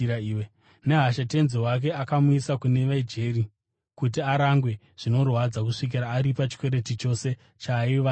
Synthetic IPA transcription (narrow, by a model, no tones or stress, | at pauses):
aw | ne̞ɦaʃate̞nziwak̬e̞akamuisakune̞ʋaid͡ʒe̞ɾi | kut̬iaɾaŋɡwe̞ | ʐ̥ino̞rwad͡zak̬uʂik̬iɾaːɾipat͡ʃi̥kwe̞ɾe̞tit͡ʃo̞se̞ | t͡ʃaiʋa